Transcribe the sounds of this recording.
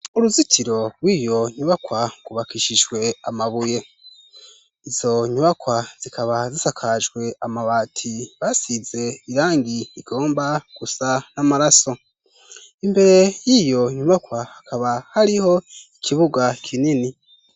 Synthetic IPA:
uɾuzitʰiɾo̞ɾwijo̞ɲuβakwaɡuβakiʃiʒɡwe̞amaβuje̞ | iz̥o̞ɲuβakwaz̥ikaβazisakʰaʒɡwe̞amaβaːtʰiβaːsize̞iɾaːŋɡiiɡ̥o̞ːmbaɡ̥usanamaɾaso̞ | imbe̞ɾe̞jijo̞ɲuβakwahakʰaβahaɾiho̞ikʰiβuɡakʰinini

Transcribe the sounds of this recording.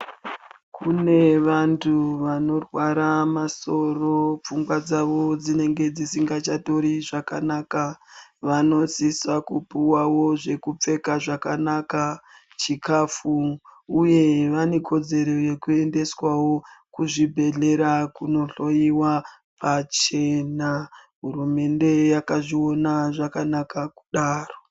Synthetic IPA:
kune̞ʋantʰuʋano̞rwaɾamaso̞ro̞p͡fuŋɡwad͡zaʋo̞d͡zine̞ŋɡe̞d͡zisiŋɡat͡ʃato̞ɾiʐakanakaʋano̞sisakupuwawo̞ʐe̞kup͡fe̞kaʐakanaka | t͡ʃikafuuje̞ʋane̞kʰo̞d͡ze̞ɾo̞jekue̞nde̞swawo̞kuʐibʱe̞ɮe̞ɾakuno̞ɬo̞jiwa | pat͡ʃe̞na | ɦurume̞nde̞jakaʐio̞naʐakanakaku̥ɗaːro̞

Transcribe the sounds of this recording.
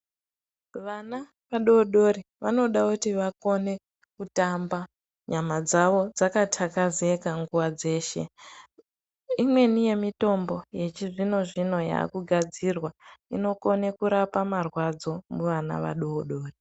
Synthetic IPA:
ʋana | ʋaɗoɗo̞ɾiʋano̞ɗakutiʋako̞ne̞ | kutamba | ɲamad͡zaʋo̞d͡zakatʰakaze̞kaŋɡuwad͡ze̞ːʃe̞̰ | imwe̞nije̞mito̞mbo̞je̞t͡ʃiʐino̞ʐino̞ja̰ːkuɡʱad͡zirwaḭno̞ko̞ne̞kuɾapamarwad͡zo̞muʋana̰ʋa̰ɗoːɗo̞ːri

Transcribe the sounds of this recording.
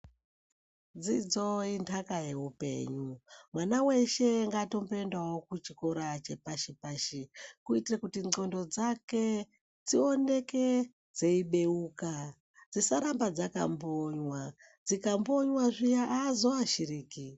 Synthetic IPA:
d͡zid͡zo̞intʰakaje̞ɦupe̞̰ɲumwanawe̞ʃe̞ŋɡato̞mpe̞ndawo̞kut͡ʃiko̞ɾat͡ʃe̞paʃipaʃikuitirekutiŋ͡ǀo̞ndo̞d͡zake̞ | d͡zio̞ne̞ke̞ | d͡ze̞iɓe̞uːka | d͡zisaɾambad͡zaka̰mboɲwa | d͡zikamboɲwaʐijaʔaːzoaʃiriːki

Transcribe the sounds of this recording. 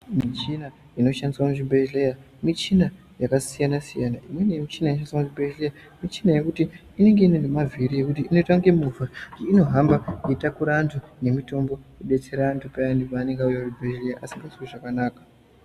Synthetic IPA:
mit͡ʃina | ino̞ʃandiswamuʐibʱeʒleja | mit͡ʃina | jakasijanasijanaʔimwe̞nemit͡ʃinajinoʃaniswamuʐibʱeʒleja | mit͡ʃinaje̞kutiː | ne̞ŋɡe̞inendemavʱiɾije̞kutiinotaŋɡemuvad͡ʒiino̞ɦambakuitakuɾaːntʰune̞mito̞mbo̞eɓe̞t͡se̞ɾaːntʰupajandipaːneŋɡaujaʐibʱeʒlejaʔasiŋɡasiweʐakanaːkḁ

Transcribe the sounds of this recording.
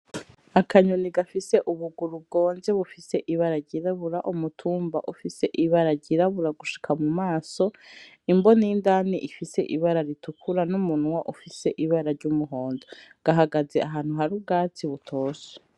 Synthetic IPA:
akʰaɲoniɡafise̞ʔuβuɡuɾub̚ɡoːnze̞βufise̞ʔiβaɾaɟiɾaβuɾaʔumutʰuːmba̰ʔufise̞ʔiβaɾaɟiɾaβuɾaɡuʃi̥kʰamumaːso̞ | imbo̞nejindaːniʔifise̞̰ʔiβaɾaɾitukʰuɾanumunwaʔufise̞ʔiβaɾaɾɟumuɦo̞ːnzo | ɡ̥aɦaɡazeaɦaːn̥huɦaɾub̚ɡaːt͡siβutʰoːse̥

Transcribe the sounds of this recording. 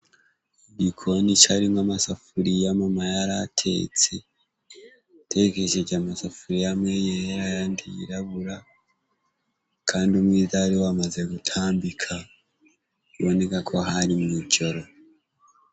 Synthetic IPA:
ɟikʰonit͡ʃaɾimamasafuɾijamamajaɾatʰe̞̰ːt͡se̞ | tʰe̞ke̞ʒeɟamasafuɾijamwejeɾajandiḭɾaβuɾa | kʰaːndiumwiːzaɾiwamaze̞ɡutʰaːmbikʰa | iβo̞ne̞kakʰo̞ɦaɾimwiːco̞ɾo

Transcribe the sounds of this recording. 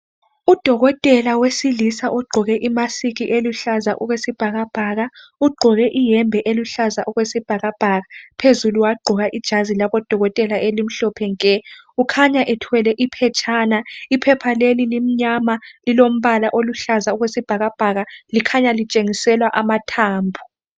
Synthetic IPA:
ud̥ʱɔɣɔtʼɛlawesilisaʔɔɡ͡ǃʱɔɣɛʔimasiɣiʔeluɬazaʔuɣwesib̥ʱaɣab̥ʱaɣauɡ͡ǃʱɔɣɛʔijɛmbʱɛʔeluɬazaʔuɣwesib̥ʱaɣab̥ʱaɣapʰezuluwaɡ͡ǃʱɔɣaʔid̥ʒ̥ʱazilaβɔd̥ʱɔɣɔtʼɛlaʔelim̩ɬɔpʰɛŋkʼɛ | ukʰaɲaʔɛtʰwɛlɛʔipʰɛt͡ʃʼʰaːnaipʰɛpʰalelilim̩ɲamalilom̩βalaʔoluɬazauɣwesib̥ʱaɣab̥ʱaɣalikʰaɲalit͡ʃʼeŋisɛlwaʔamatʰaːmbʱu

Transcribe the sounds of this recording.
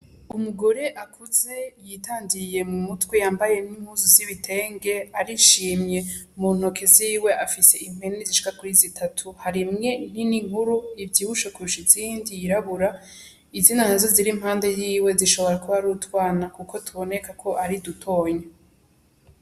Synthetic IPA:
umuɡo̞ɾe̞ʔakʰuze̞jitaːndije̞mumutwe̞jaːmbaje̞nim̥huzuziβitʰe̞ːŋɡe̞aɾiʃiːmɲje̞muːn̥hokʰe̞ziːwe̞ʔafise̞im̥he̞niziʃi̥kakuɾizitʰatʰuhaɾimŋe̞n̥iniŋhuɾuivɟiːhuʃakuʃiziːndijiɾaβuɾa | izinanazo̞ziɾimhaːnde̞jiːwe̞ziʃo̞βo̞ɾakuβaɾutwaːnakukʰo̞tʰuβo̞ne̞kakʰo̞ʔaɾidutʰo̞ːɲe

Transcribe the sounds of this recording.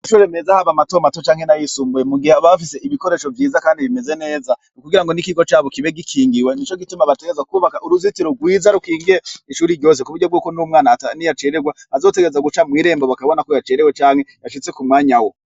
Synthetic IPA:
aʃuɾe̞me̞zahaβamatomatot͡ʃaːŋhe̞najisuːmbujemuɡihaβafise̞iβiko̞ɾe̞ːʃo̞vjiːzakaːndiβime̞ze̞ne̞ːzanukuɡiɾaŋɡonikiɡo̞t͡ʃaːβokiβe̞ɡikʰiːŋɡiwenit͡ʃo̞ɡitumaβateɡezakuβakaʔuɾuzitiɾoɡwiːzaɾukiːŋɡiɾeiʃuːɾiɾɟo̞ːs̬ekuβuɾɟo̞b̚ɡuːkonumŋaːnatanijat͡ʃeɾeɡwa | azo̞ːte̞ɡeezaɡut͡ʃamwiːɾe̞ːmboβakaβonakojat͡ʃeɾewet͡ʃaːŋhe̞jaʃit͡se̞kumŋaːɲawo̞

